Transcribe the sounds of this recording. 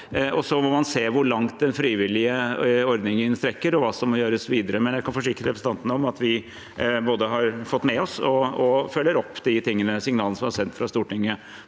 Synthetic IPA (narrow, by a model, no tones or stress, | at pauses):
ʔɔsɔmɔmɑnseːʋʊɭɑŋt̪̚d̪ɛnfɾiːʋɪlɪəɔɾd̪nɪŋəɪnst̪ɾɛkːəɾɔʋɑːsɔmːɔjøːɾəsʋiːd̪əɾəmɛnjæɪkʰɑnfɔʂ̬ɪkːəɾəɾɛpɾəsn̩ɑnt̪ənəɔmɑt̪ʋɪ | boːd̪əɦɑɾfɔt̪ːmɛɔsɔɔfœlːəɾɔpːd̪ɪt̪ɪŋːənəsɪŋnɑːləsɔmɑsɛnt̪fɾɑst̪uːʈɪŋːə